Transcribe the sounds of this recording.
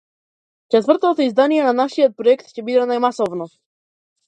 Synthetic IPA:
t͡ʃɛt̪vr̩t̪ɔt̪ɔizd̪anijɛnanaʃijɔt̪̚pɾɔjɛkt̪cɛbid̪ɛnajmasɔvnɔ

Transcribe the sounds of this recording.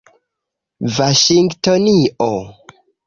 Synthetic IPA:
vaʃiŋɡtoniʔo

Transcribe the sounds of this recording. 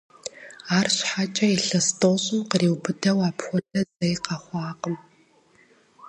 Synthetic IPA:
aːrɕħat͡ʃʼɐiɬɐstʰʼoːɕʼɪmqəriːwbɨdɐwaːpxʷɔdʰʼɐzɐjqɐχʷɑːqəm

